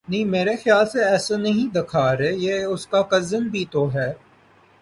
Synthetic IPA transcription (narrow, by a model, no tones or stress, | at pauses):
nɐĩːmeːɾexɪjaːlseɛːsanɐɦĩd̪ɪkʰaːɾeːjeːʊskakɐzənbʱit̪oɦɛː